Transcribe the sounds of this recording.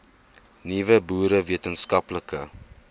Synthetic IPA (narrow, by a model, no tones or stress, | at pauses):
nivəbuːɾəviətənskɐpləkə